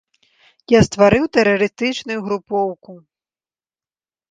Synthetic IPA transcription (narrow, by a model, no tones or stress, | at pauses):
jast̪vaɾɨwt̪ɛɾɐɾɨst̪ɨt͡ʂnujuɣɾupɔwku